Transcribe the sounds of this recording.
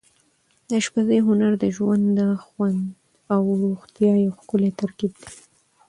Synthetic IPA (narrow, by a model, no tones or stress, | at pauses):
d̪əʃpazəjɦʊnaɾd̪əʒwand̪əxwand̪ | awɾoɣt̪jɑjawxkʊlet̪aɾkib̚d̪e